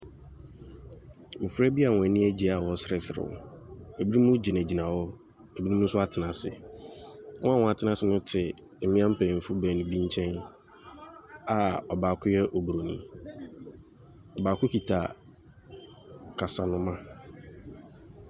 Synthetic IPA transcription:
mʊ̃˨fɾɛ˦bi˦a˨wɔ̃˨ɛ˨nĩ˦æ˦d͡ʑi˨a˨wɔ˨sɪ˨ɾɛ˨sɪ˨ɾɪ̰˨e˨bi˦ɾi˦mũ˦d͡ʑi˨næ˨d͡ʑi˨nã˨wɔ˦ | e˨bi˦i˦mũ˦sʊ˦a˦tʰɪ˨nã˨sɪ̰˨ | wɔ̃˦a˦wɔ̃˨a˨tʰɪ˨nã˨sɪ˨nʊ̃˦tʰɪ˨ | mɪ̃˦ã˦m̩˦pʰɛ̃˨fu˦bɛ˨nĩ˨bĩ˦ɲ˦t͡ɕʰɛ̃˦n | a˨ɔ˨baː˨kʰʊ˦jɛ˦ʔo˨bu˨ɾo˨nḭ̃˨ | ɔ˨baː˨kʊ˦ki˨tʰa˨ | kʰa˨sa˨nʊ̃˦mã˦

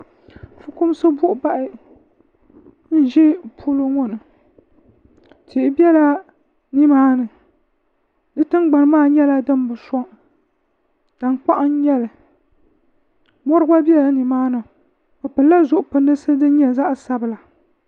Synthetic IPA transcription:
fɨ˦kʊ˦m˦sɨ˦bʊ˦ʔʊ˨ba˦ʔɪ˦ | n̩˦ʒɛ˦pʰu˦lo˦ŋɔ˦nɨ˨ | tʰi˨ʔɪ˦bi˦ɛ˦la˦ | ni˦maː˦nɨ˨ | dɨ˦tɨ˦nɡ͡ba˨n˦maː˦˨ɲɛ˦la˦dɨ˦n˦bɨ˨sɔ˦ŋ | d̥a˨nk͡pa˦ʔa˦n˦ɲɛ˦lɨ˨ | mɔ˦ɾɨ˦ba˦bi˦ɛ˦la˨ni˨maː˦nɨ˨ | fɨ˨pɨ˨lːa˦zʊ˨ʔʊ˨pɨ˨ndɨ˦sɨ˦dɨ˦ɲɛ˦za˦ʔsa˦bɨ˨la˨

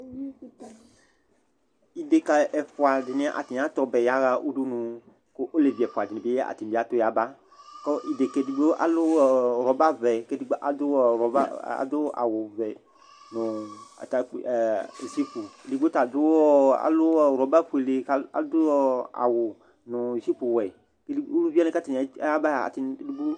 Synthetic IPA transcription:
i˨de˨ka˨ʔɛ˨fo˨a˨de˨nẽ˦ʔa̰˨t̪i˨n˨˦ã˦t̪ɔ˦bɛ˨ja˦ɣa˦ʔu˦ɖu˦nũ˦ | ko˦ʔo˦le˨vi˨ɛ˨fo˨a˨de˨nẽ˨be˦e˦a̰˨t̪i˨n˨be˦a˦t̪o˦ja˨ba˦ | kɔ˦ʔi˨de˨ke˦di˨˦ɡ͡bo˦ʔa̰˨lo˦ɾɔ˨ba˦vɛ˨ke˦di˦ɡ͡bʔa̰˨d̪o˦˨ɾɔ˨ba˦a̰˨d̪o˦a̰˨wo˨vɛ˨ | nʊ̃˨a̰˨t̪a˦˨zi˦pu˨li˦ɡ͡bo˦t̪a˨d̪ʊ˦ɔ˦a̰˨lʊ˦˨ɾɔ˨ba˦ɸu˦˨e˨le˨ka˦a̰˨˦d̪ʊ˦a̰˨wʊ˨ | nʊ̃˨zi˦pu˨wɛ˨ | ke˦li˦u˦lu˦vi˦a˦ne˦ka˦t̪i˨a˨˦a˦ba˦˨a̰˨t̪i˨n˦du˦bu˦

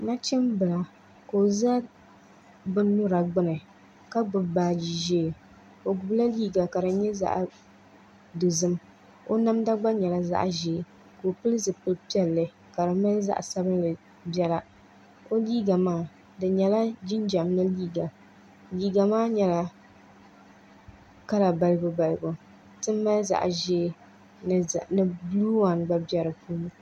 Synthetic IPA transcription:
na˦t͡ʃɛ˦mbɨ˨la˨ | ko˨za˦ | bɨ˦nʊ˦ɾa˨ɡ͡bɨ˦nɨ˨ | ka˦ɡ͡bɨ˨baː˦d͡ʒi˨ʒe˦˨ | o˨ɡʊ˨bla˦liː˦ɡa˨ka˨ɾɨ˨ɲɛ˦za̰˦ʔ | dɨ˨zɨ˦m | o˦na˦mda˦ɡ͡ba˦ɲɛ˨la˦za̰˦ʔʒeː˨ | ko˨pɨ˦lɨ˦zɨ˨pɨ˦lpi˦ɛ˦lːɨ˦ | ka˨ɾɨ˨ma˦n˦za̰˦ʔsa˦bɨ˦n˦lɨ˨ | bɛ˦la˦ | o˦liː˦ɡa˨maː˦˨ | dɨ˨ɲɛ˨la˦d͡ʒi˦nd͡ʒa˨mnɨ˦liː˦ɡa˨ | liː˦ɡa˨maː˦ɲɛ˨la˦ | ka˦la˨ba˨lɨ˦ɡʊ˦ba˨lɨ˨ɡo˨ | tɨ˦mː˦a˦za̰˨ʔʒeː˦˨ | nɨ˨bluː˦wa˨n˨ɡ͡ba˦bɛ˦ɾɨ˨puː˦n˦

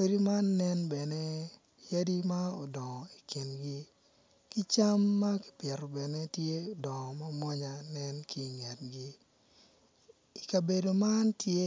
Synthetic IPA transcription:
e˦di˦ma˦nːɛ˦nbɛ˨nɛ˦ | ja˦di˦ma˦ɔ˨dɔ˨ŋɔ˨i˨ki˨nɡi˦ | ki˦t͡ʃa˦mːa˦ki̥˨pjɛ˨ɾɔ˨bɛ˨ne˦tje˦o˨dɔ˨ŋɔ˨ma˦mwɔ˦ɲa˨nɛ˦nki˦˨ŋɛ˨t̚ɡi˦ | i˨ka˨be˨do˨ma˦ntje˦

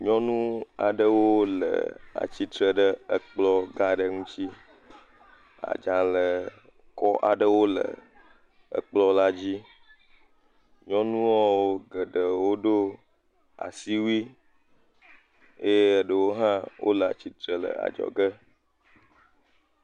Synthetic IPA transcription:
ɲɔ̃˦nũ˦a˨ɖə˦wo˦lə̰˨a̰˨t͡ɕi˦t̪ɾə˨ɖə˦ə˨k͡plɔ˦ɡa˦ɖə˦ŋũ˦t͡ɕi˦ | a̰˨d͡ʒã˨lə˨ | kɔ˦ʔa˨ɖə˦wo˦lə̰˨ | ə̰˨k͡plɔ˦la˦d͡ʑi˦ | ɲɔ̃˦nũ˦wɔ˦wo˦ɡə˨ɖə˨wo˦ɖo˦ | a̰˨si˦wi˦ | e˦je˦ə˨ɖə˨wo˦ɦã˦wʔo̰˦lə˨a̰˨t͡ɕi˦t̪ɾə˨lə̰˨a̰˨d͡ʒɔ̰˨ɡə˦

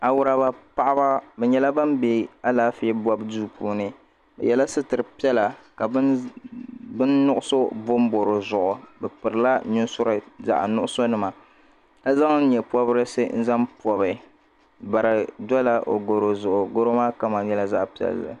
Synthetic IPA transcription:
a˨wʊ˦ɾa˦ba˦pa˦ʔa˦ba˦bɛ˨ɲɛ˨la˦ba˦mbe˦a˦laː˦fi˦bɔ˦bduː˦puː˦nɨ˨ | bɛ̰˨jɛ˦la˦sɨ˦tɨ˨ɾɨ˨pi˦ɛ˦la˨ka˨b | bɨ˦nːʊ˦ʔʊ˦so˦bo˦m˦bo˨ɾo˨zʊ˨ʔʊ˨bɛ˨pɨ˨ɾɨ˨la˦nʊ˦sʊ˦ɾa˨za̰˦ʔnʊ˦ʔʊ˦so˦nɨ˦ma˨ | ka˦za˦ŋ̩˦ɲɛ˨pɔ˦bɨ˦ɾɨ˦sɨ˦n̩˦za˦mpɔ˨bɨ˨ | ba˨ɾɨ˨dɔ˦la˦ʔo˨ɡo˨ɾo˨zʊ˨ʔʊ˨ɡo˦ɾo˦maː˦ka˦ma˨ɲɛ˦la˦za˦ʔpi˨ɛ̰˨lːɨ̰˨

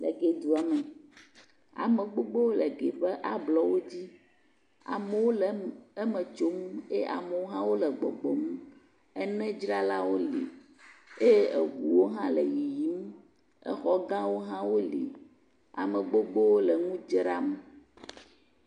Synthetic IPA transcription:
lɛ̰˨ɡe˨d̪u˨a˨mɛ˨ | a̰˨mɛ̃˨ɡ͡bo˦ɡ͡bo˦wo˦lɛ˨ɡe˨ɸɛ˦ʔa˨blɔ˦wo˦d͡ʑi˦ | a̰˨me˨˦wo˦lɛ˦mɛ̃˨t͡ʃo˦m˦e˦ʔa̰˨me˨wo˦ɦã˦wo˦lɛ˨ɡ͡bɔ̰˨ɡ͡bɔ˨mũ˦ | ɛ˦nɛ̃˦d͡ʒɾa˦la˦wo˦lḭ˨ | e˦je˦e˨ɡu˨wo˦ɦã˦lɛ̰˨ji˨ji˨˦m˦ | ɛ̰˨xɔ˦ɡã˦wo˦ɦã˦wo˦lḭ˨ | a̰˨mɛ˨ɡ͡bo˦ɡ͡bo˦wo˦lɛ˨ŋũ˦d͡ʒɾa̰˦m˨

